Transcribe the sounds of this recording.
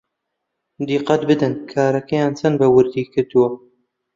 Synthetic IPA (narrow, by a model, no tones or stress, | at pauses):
d̪iːqɐt̪bɨd̪ɨnkʰaːɾɐkɛjaːnt͡sʰɐnbɐwɨɾd̪iːkʰɨɾd̪uwɐ